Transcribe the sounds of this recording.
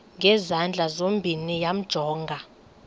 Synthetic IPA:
ŋɡʱɛzand͡ɮʱazombʱinijam̩d̥ʒ̥ʱɔːŋɡʱa

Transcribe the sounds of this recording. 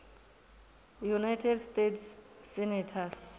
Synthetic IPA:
junajtʰɛdstetʰsː | ɛnɛtʰas

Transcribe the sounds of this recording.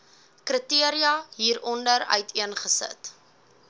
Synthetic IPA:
krətiəɾiɐɦiːɾɔndəɾœ̰ɥtʰiənχəsə̰t

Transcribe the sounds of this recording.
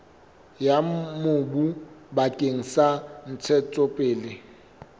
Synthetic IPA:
jamobubakʼeŋ̩san̩t͡sʰɛt͡sʼɔpʼeːlɪ

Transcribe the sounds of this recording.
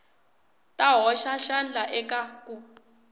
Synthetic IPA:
tʼaɦɔʃaʃand͡ɮaʔɛkakʼu

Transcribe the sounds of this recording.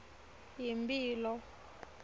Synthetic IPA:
jimpʼiːlɔ

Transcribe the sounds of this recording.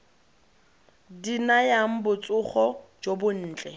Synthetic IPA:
dinajaŋ̩bʊt͡sʼʊχɔd͡ʒobʊn̩ːt͡ɬʼɛ

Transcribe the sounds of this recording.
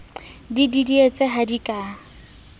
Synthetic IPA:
dididiet͡sʼeɦadikʼaː

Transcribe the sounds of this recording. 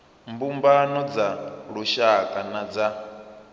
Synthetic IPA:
mbumbanɔd͡zaɺuʃakʼanad͡za

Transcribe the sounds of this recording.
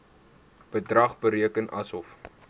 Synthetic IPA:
b̥ədrɐχbəɾiəkənʔɐsɔf

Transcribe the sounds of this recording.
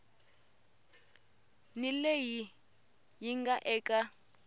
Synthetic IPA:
nileji | jiŋɡaʔɛːkʼa

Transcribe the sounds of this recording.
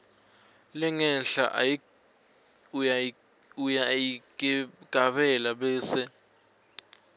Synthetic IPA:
lɛŋɛnɬa̰ʔ | ujaji | ɡ̥ʱaɓɛlaɓɛːsɛ

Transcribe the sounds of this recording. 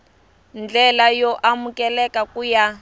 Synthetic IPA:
nd͡ɮɛlajɔʔamukɛlɛkakuja

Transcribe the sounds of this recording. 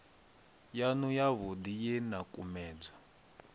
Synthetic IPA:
janujaβudijɛnakʼumɛːd͡za

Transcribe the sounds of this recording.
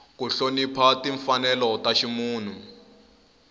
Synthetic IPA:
kuɬonipʰatiɱfanɛlɔtaʃimuːn̤u

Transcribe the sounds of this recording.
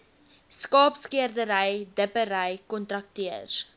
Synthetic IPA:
skɑːpskiərdəɾəjdəpəɾəjkɔntrɐk̚tiər

